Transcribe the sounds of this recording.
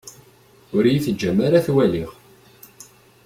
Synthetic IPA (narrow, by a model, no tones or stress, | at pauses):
ʊɾjiθəd͡ʒːæmːaɾaθwæliʁ